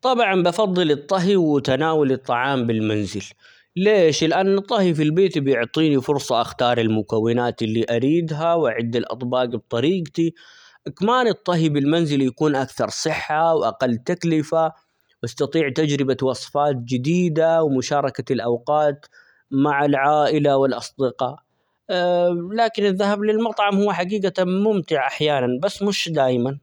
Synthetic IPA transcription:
t̪ˤɑbʕɑmbɑfɑðˤːɨlɨt̪ˤːɑɦiwt̪anaːwalɨt̪ˤːɑʕɑːmbɪlmanzɪl | leːʃlɪʔanːɨt̪ˤːɑhifilbeːt̪bjʊʕt̪ˤiːnifʊɾsˤɑʔaxt̪ɑːɾˤɪlmʊkawːɪnaːt̪ɪlːiʔaɾiːd̪ɦawʔaʕɪd̪ːɪlʔɑ̰t̪ˤbɑːqb̚t̪ˤɑɾiːɡt̪i | ʔakamaːnɨt̪ˤːɑɦibɪlmanzɪljakuːnʔakθɑɾˤsˤɨħːawʔaqalːt̪aklɪfa | wʔɑst̪ɑt̪ˤiːʕt̪ad͡ʒɾɪbawɑːsˤfɑːt̪̚d͡ʒɪd̪iːd̪awmʊʃɑːɾˤɑkalʔawqɑːt̪ | maʕalʕaːʔɪlawɪlʔɑsˤd̪ɪqɑʔ | laːkɪnɪðːahablɪlmɑt̪ˤʕɑmhuwːħaɡiːɡamʊmt̪ɪʕʔaħjaːnanbasːmʊʃd̪aːjman

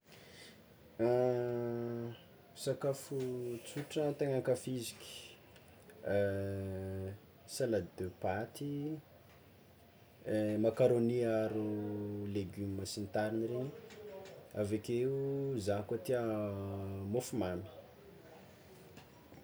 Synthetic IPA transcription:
sakafut͡suʈ͡ʂət̪eŋaŋkafizikʲi̥ | salad̪øpat̪i | makaɾoniaɾuleɡymmasint̪aɾiniɾeɲi | avekeuzankot̪iə | mofumami̥

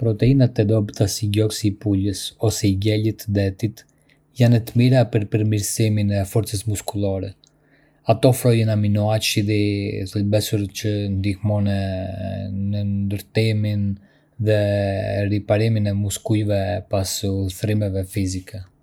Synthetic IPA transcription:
pɾɔt̪ɛinat̪ɛd̪ɔbt̪asiɟɔksipuləsɔsɛiɟɛlit̪d̪ɛt̪it̪ | janət̪əmiɾapəɾpəɾmiɾsiminɛfɔɾt͡səsmuskulˠaɾɛ | at̪ɔfɾɔjənaminɔat͡ʃiðiθəlbɛsuɾcənd̪ihmɔnɛ | nənd̪əɾt̪imin | ðɛripaɾiminɛmuskujvɛpasulˠθɾimɛvɛfizikɛ

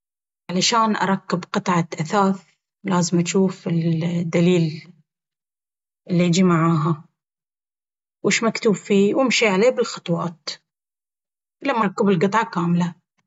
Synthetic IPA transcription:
ʕalaʃaːnʔɑ̰ɾˤɑkːɪbqɨt̪ˤʕɑt̪ʔaθaːθ | laːzɪmʔaʃuːfɪld̪ːaliːl | ʔɪlːiɪd͡ʒimaʕaːɦa | wɪʃmakt̪uːbfiːwɪmʃiʕaleːbɪlxɑ̥t̪ˤwɑːt̪ | lamːaɾˤɑkːɪbɪlqɨt̪ˤʕɑkaːmla

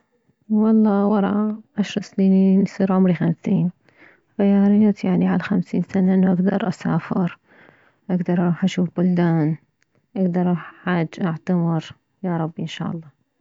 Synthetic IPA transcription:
wɑlˤːɑːwɑɾˤɑ̰ʕaʃɾˤɑsniːinsˤiːɾʕʊmɾixamsiːn | xajɑːɾɪjːat̪jaʕniʕalaxamsḭːnsanaʔɪnːuʔaɡd̪ɑɾˤʔasa̰ːfɪɾ | ʔaɡd̪ɑɾˤʔɑˤɑuːħʔaʃuːfbʊld̪aːn | ʔaɡd̪ɑɾˤʔaħħaːd͡ʒːʔaʕt̪amɪɾ | jɑɾˤɑbːiʔɪnʃa̰ːʔɑlˤːɑː

